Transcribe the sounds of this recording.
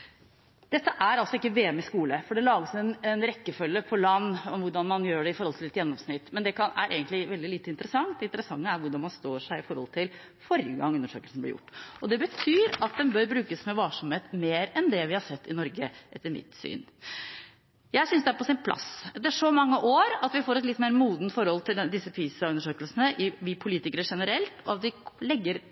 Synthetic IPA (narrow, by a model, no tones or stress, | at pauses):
d̪̥ɛt̪ːəʔæɾɑlsɔɪkːəʋeːməskuːləfɔɖɛlɑːɡəsɛnɛnɾɛkːəfœlːəpʰɔlɑnːɔmʋʊɖɑnmɑnjøːɖɛɪfɔɾhɔlt̪ʰɪlɛt̪jɛnːɔmsnɪt̪ːmɛnd̪ɛkʰɑnæ̰ɾʔḛːɡənt̪lɪʋɛld̪ɪliːt̪əɪnt̪əɾəsɑŋt̪̚d̪ɛɪnt̪ɾəsɑŋːəæɾʋʊɖɑnmɑnst̪oːʂæɪɪfɔɾhɔlt̪ʰɪl | fɔɾəɡɑ̰ŋʉnːəʂø̰ːkəlsn̩b̪lɪ̰jʊ̰ʈːɔd̪ɛbət̪ʰyːɾɑt̪̚d̪ɛmbœɾbɾʉːkəsmɛʋɑːʂɔmheːt̪meːɾɛnd̪ɛʋɪhɑʂɛt̪ːɪnɔɾɡəʔɛt̪ːəɾmɪ̰t̪sy̰ːn | jæɪsʏnsd̪ɛæɾpɔsɪnpʰlʔɑ̰sɛt̪ːəʂɔmɑŋːəʔoːɾɑt̪ʋɪfoːɾɛt̪lɪt̪ːmeːɾmuːd̪nt̪fɔɾhɔlt̪ʰɪld̪ɪsːəpʰiːsɑʉnːəʂøːkəlsənəʔɪʋɪpʰʊliːt̪ɪkəɾəʂɛnəɾɛlt̪ʰɔɑt̪ʋɪlɛɡːəɾ